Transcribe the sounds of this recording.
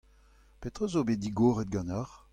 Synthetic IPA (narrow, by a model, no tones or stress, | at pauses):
pet̪ʁozobed̪iɡoːʁet̪̚ɡɑ̃naʁ